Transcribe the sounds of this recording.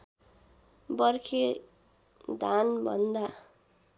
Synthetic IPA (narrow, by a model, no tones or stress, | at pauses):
bʌrkʰe | d̪ʱanbʱʌ̰nd̪a